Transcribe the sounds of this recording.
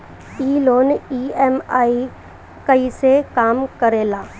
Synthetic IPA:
iːloːniːɛmaːi | kɐisekaːmkɐɾeːlaː

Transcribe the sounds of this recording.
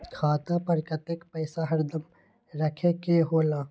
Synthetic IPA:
kʰaːt̪apɐɾkət̪ekpəɪsaɦɐɾd̪əm | ɾəkʰekeɦoːlaː

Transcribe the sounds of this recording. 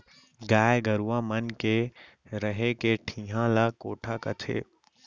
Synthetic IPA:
ɡaːjɡəɾuãːmənke | ɾəɦekeʈʰĩːɦãlakoːʈʰakət̪ʰḛː

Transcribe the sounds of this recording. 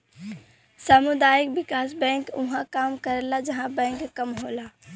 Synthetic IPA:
samʊd̪aːjəkbɪkaːsbɛ̃ŋkuɦãkaːmkəɾelad͡ʒəɦãbɛ̃ŋkkəmɦola

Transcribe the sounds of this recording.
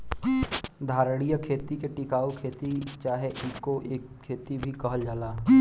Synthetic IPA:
d̪ʱaːɾəɽ̃ijəkʰeːt̪ikeʈɪkaːokʰeːt̪it͡ʃaːɦeʔɪːkːoʔeːkkʰːeːt̪ibʱikɐɦəld͡ʒaːlaː

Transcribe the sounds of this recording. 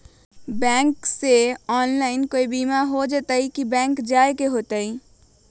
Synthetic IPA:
bɛ̃ːŋkseɔːnlaːɪnkoːibiːmaɦod͡ʒet̪əikibɛ̃ːŋkd͡ʒaːekeɦoːt̪əi

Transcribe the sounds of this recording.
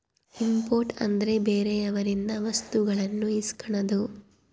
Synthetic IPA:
impoːɾʈɐ̰nd̪ɐɾe̞beːɾeɐʋɐɾind̪ɐʋɐst̪uɡɐɭɐnːuiskɐɳɐd̪u

